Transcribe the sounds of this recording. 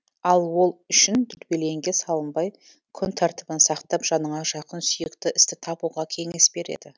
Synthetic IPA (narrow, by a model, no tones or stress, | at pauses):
ɑlˠwo̞lˠʏʃɪnd̪ʏɾbe̞le̞ŋɡʲe̞sɑlˠəmbɑj | kʲʰʏnt̪ʰɑɾt̪əbənsɑqt̪ɑpʒ̥ɑnəɴɑʒɑqənsʏjɪkt̪ɪʔɪst̪ɪt̪ʰɑpuʁɑkʲʰe̞ŋe̞sbe̞ɾe̞̰d̪ɪ